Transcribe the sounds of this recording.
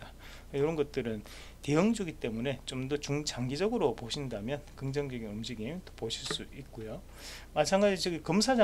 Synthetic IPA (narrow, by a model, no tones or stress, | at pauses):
ta | joɾʌnɡʌt̚t͈ɯɾɯn | te̞jɯŋd͡ʑʌɡit͈e̞mune̞t͡ɕomdʌt͡ɕuŋt͡ɕaŋɡid͡ʑʌɡɯɾopoɕʰindamjʌnkɯŋd͡ʑʌŋd͡ʑʌɡinɯmɕiɡit͈o̥poɕʰiɭs͈uit̚k͈ojo | mat͡ɕʰaŋɡad͡ʑit͡ɕʌɡikʌmsʰad͡ʑa